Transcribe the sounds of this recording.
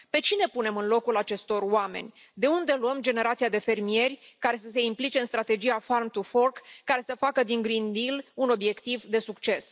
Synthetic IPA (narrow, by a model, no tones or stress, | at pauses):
pe̞t͡ʃine̞pune̞mɨnlo̞kulat͡ʃe̞st̪o̞rwame̞̰nʲ | d̪e̞und̪e̞luəmd͡ʒe̞ne̞ɾat̪siad̪e̞fe̞rmie̞rʲkaɾe̞s̬əs̬e̞implit͡ʃe̞ɨnst̪ɾat̪e̞d͡ʒijafarmt̪ufo̞rkːaɾe̞səfakəd̪iŋɡɾind̪iluno̞bje̞kt̪ivd̪e̞sukt͡ʃe̞s